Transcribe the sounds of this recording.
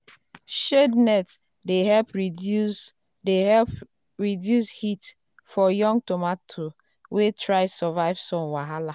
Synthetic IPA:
ʃednɛt | deɦɛlpɹ | deɛp | ɹidjushit | fɔjɔ̃ŋɡtomatʰo | wetʰɹaɪsɔvaɪv̥sɔ̃nwaɦala

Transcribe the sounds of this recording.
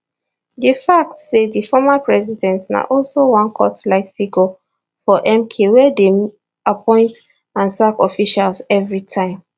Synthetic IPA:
difak̚tsedifɔmapɹɛzidɛ̃ntna̰ʔɔlsowãnkʰɔtlaɪfiɡɔ | fɔʔɛ̃mkʰewɛde | apʰɔ̃ɪ̃nt | ãnsakɔfiʃalsɛvɹitʰãɪ̃m

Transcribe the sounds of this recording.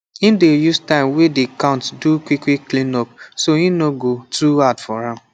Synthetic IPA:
ĩndejustãɪ̃mwedikãʊ̃ntdukʷwikwikːlĩnɔp̚soĩnoɡotʰuadfɔɾãm

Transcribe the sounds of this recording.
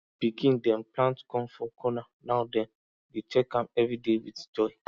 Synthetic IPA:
b̥iɡĩndɛ̃nplãntkɔ̃nfɔkʰɔnanaʊdɛ̃n | det͡ʃɛkãmɛvɾidewitd͡ʒɔɪ

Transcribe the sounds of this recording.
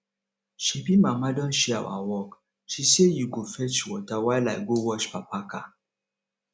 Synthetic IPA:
ʃipimamadɔnʃia̰a̰wɔk | ʃisiejiɡofɛt͡ʃiwɔtawajla̰jɡowɔt͡ʃpapaka

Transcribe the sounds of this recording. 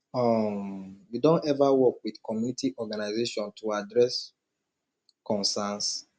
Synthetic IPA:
ɔmjudõntɛvawɔkwidkɔmjunitiʔɔɡanaɪzeʃɔ̃ntʰuadɹɛs | kɔ̃nsãns

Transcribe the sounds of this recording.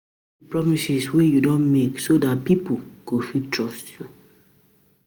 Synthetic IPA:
ipɹɔmisiswijudõnmeksodat̚pipoɡ̥ofitɹɔstʰju

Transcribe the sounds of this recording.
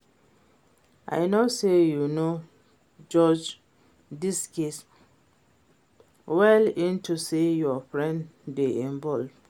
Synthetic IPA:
a̰ɪnosejuno | d͡ʒɔd͡ʒ | diskes | wɛlĩntusejɔfɹɛ̃nddeĩmbɔld

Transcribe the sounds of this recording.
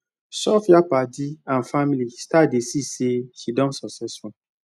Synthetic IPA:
sɔfjapatiãnfamilistadesiseʃidɔ̃nsɔksɛsfɔ̃

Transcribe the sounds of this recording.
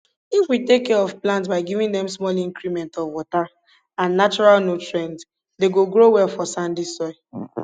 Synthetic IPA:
ifwitekːɛɹɔvplãnt̬baɪɡivĩŋdɛ̃msmɔlĩŋkɹimɛ̃ntɔvwɔta | ãnːat͡ʃɔɹalnotɹɛ̃nd | deɡoɡɹowɛlfɔsãndisɔɪ

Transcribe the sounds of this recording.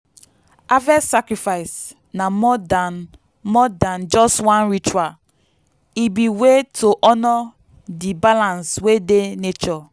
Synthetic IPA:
avɛsakɾifaɪs | namɔdan | mɔdãnd͡ʒɔstwãnɹit͡ʃua | ibiwetʰoʔɔnɔ | dibalãnswedenet͡ʃɔ

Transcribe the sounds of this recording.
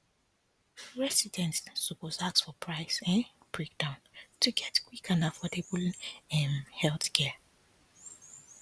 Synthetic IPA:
ɹɛsidɛ̃ntsupɔsaksfɔpʰɹaɪsɛ̃n | b̥ɹek̚d̥ãʊ̃ntʰuɡɛtkʰwikãnafɔdɛblɛ̃nhɛlθkʰɛ

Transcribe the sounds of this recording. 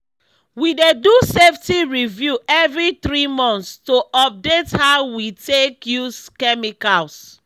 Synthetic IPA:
wideduseftiɹivjuʔɛvɹiθɹimɔ̃nθstoʔɔp̚dethawitekjuskɛmikals

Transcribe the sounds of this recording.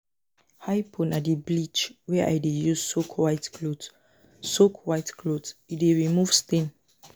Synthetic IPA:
hajpʰɔ̃nadiblit͡ʃwɛʔa̰jdejussokʰwajtklod | sokʰwajtkʰlodsideɹimuvstẽn

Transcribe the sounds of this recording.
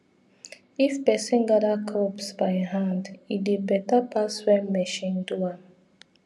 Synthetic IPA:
ifpɛsĩnɡaɾakʰɔpsbaɪɦãndidebɛtapaswɛ̃nmɛʃĩndua

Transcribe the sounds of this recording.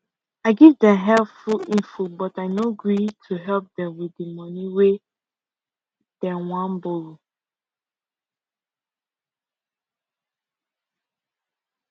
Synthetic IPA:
aɪɡivdɛ̃mɦɛlpfuĩnfubɔtaɪnoɡɹitʰuɦɛlp̚dɛ̃mwiimɔniwe | d̥ɛ̃wãnboɹu

